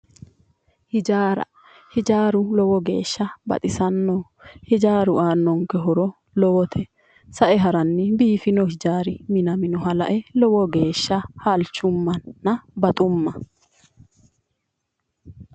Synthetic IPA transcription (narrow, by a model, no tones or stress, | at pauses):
hɪd͡ʒaːɾɐ̰ | hɪd͡ʒaːɾʊlɔwɔɡe̞̰ːʃːɐbɐ̰t̪ʼɪsɐnːɔ | hɪd͡ʒaːɾʊʔaːnːɔŋkɛɦɔɾɔ | lɔwɔt̪ʰɛ | sɐʔɛɦɐɾɐnːɪbiːfɪnɔhɪd͡ʒaːɾɪmɪnɐmɪnɔɦɐlɐ̰ʔɛlɔwɔɡe̞ːʃːɐhɐlt͡ʃːʊmːɐnːɐbɐt̪ʼʊmːɐ